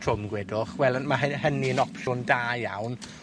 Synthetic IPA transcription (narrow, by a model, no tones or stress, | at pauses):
tʰrʊmɡwɛdʊχwɛlˠəmaɦəɦəniənɔpʰʃʊndaːjawn